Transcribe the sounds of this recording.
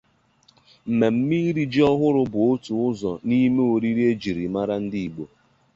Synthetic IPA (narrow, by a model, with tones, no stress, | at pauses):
m̩˨me˨m̩˦mi˦ɾi˦d͡ʒi˦ɔ˦ɦʊ˦ɾʊ˦bʊ˨o˦tu˨ʊ˦zɔ˨ni˦me˦o˨ɾi˦ɾi˦e˦d͡ʒi˨ɾi˨ma˦ɾa˦n̩˦di˦i˨ɡ͡bo˨